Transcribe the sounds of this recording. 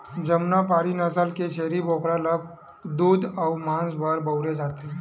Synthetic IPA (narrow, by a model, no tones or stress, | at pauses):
d͡ʒəmnapaːɾinəsəlket͡ʃeːɾiboːkɾaləb̚ | d̪uːd̪ɔʊmãːnsbʱəɾbəʊɾed͡ʒaːt̪eɦ